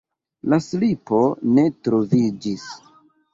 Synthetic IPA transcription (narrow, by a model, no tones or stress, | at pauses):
laslipo̞ne̞tɾo̞vid͡ʒis